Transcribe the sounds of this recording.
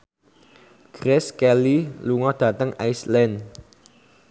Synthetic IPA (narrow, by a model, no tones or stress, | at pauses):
ɡ̥ɾɛskɛliluŋɔd̥ä̤t̪əŋajslɛnd